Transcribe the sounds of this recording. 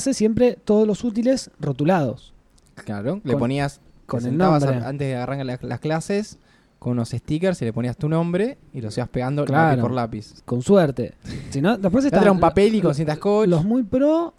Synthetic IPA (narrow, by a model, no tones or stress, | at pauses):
sesje̞mpɾe̞t̪o̞ðolo̞sut̪̬ile̞srot̪ulaðo̞̰s | klaɾolepo̞nias | konelnõaβasbɾea̰nt̪eðeaɣarʔaŋkalla̰sklases | konunosest̪ik̬eɾsile̞poniast̪unõ̞mbɾe̞ | ilosiβaspeɣand̪oklaɾopoɾlapisko̞nsweɾt̪e̞̰sinod̪ep̬os̬etat̪ɾaumpapelikons̬jent̪ahkolozmujpɾo